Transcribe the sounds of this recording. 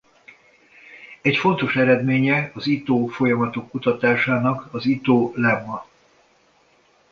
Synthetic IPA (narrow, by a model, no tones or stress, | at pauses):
ɛcfo̞nt̪o̞ʃɛɾɛd̪meːɲɛɒzit̪oːfo̞jɒmɒt̪o̞kːut̪ɒt̪aːʃaːnɒkɒzit̪oːlɛmːɒ